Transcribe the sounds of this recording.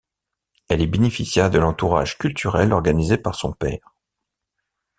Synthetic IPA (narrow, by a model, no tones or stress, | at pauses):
ɛlɛbenefisjɛʁd̪əlɑ̃t̪uʁa̰ʒ̥kʲylt̪yʁɛlɔʁɡanizepaʁsɔ̰̃pɛ̰ːʁ